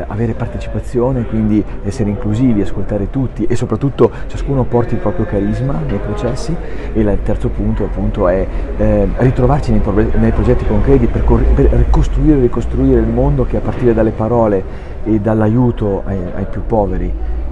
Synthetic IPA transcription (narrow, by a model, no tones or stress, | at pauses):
a̰veːɾepart̪et͡ʃi̥pat̪sːjoːnekwind̪iɛsːeɾeiŋkluziːviaskolt̪aːɾet̪ut̪ːiʔesːopɾat̪ːut̪ːot͡ʃaskuːnopɔrt̪ipɾɔːpɾjokaɾizmanejpɾot͡ʃɛsːielat̪ːɛrt̪sopunt̪oapːunt̪oɛ | rit̪ɾovart͡ʃinejpɾobɛnejpɾod͡ʒɛt̪ːikoŋkɾɛːt̪iperkorperrikost̪ɾuiːɾerikost̪ɾuiːɾeilmond̪ok̟eapːart̪iːɾed̪alːepaɾɔːle | ed̪alːajuːt̪oa̰a̰jpjupːɔːveɾi